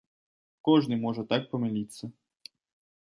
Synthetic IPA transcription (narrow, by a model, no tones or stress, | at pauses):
kɔʐnɨmɔʐɛt̪ak̚pɐmʲɛlʲit̪sːɐ